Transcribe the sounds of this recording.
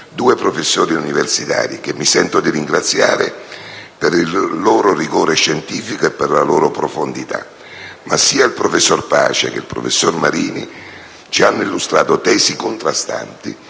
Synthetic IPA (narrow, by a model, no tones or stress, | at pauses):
d̪uːepɾofesːoːɾiuniversit̪a̰ːɾik̟emːisɛnt̪od̪iɾiŋɡɾat̪sːja̰ːɾḛperillːoːɾoriɡoːɾeʃːent̪iːfikoepːerlaloːɾopɾofond̪it̪a̰ | masːiːailpɾofesːorpa̰ːt͡ʃḛkḛlpɾo̰fesːormaɾiːnḭ | t͡ʃianːoilːust̪ɾaːt̪ot̪ɛːsikont̪ɾast̪a̰nt̪ḭ